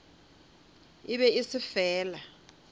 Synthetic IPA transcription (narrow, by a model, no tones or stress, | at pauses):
iɓɛisifɛːla